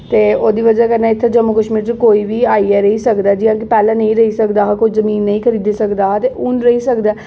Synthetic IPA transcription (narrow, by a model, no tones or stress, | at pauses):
t̪eːoːd̪iːʋəd͡ʒakəɾnaːɪt̪ʰːed͡ʒəmːʊkəʃmiːɾt͡ʃekoːiːʋiːaːiɛːɾəɦisəkd̪aːd͡ʒɪɦãːk̬ipɛːlãːnə̃ĩːɾəɦisəkd̪aːɦkʊt͡ʃʰzəmiːnːəĩːkʰəɾiːd̪eːsəkd̪aːt̪eʔʊnɾəɦisəkd̪aː